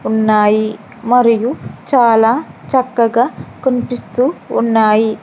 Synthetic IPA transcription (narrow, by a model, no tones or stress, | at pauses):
unːaːji | mɐɾijut͡ʃaːlaːt͡ʃɐkːɐɡaːkonipist̪uːunːaːji